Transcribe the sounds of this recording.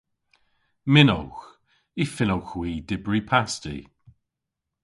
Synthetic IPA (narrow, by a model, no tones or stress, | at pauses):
mɪno̰wx | ifɪnowxwiːdɪbɹipʰastḭ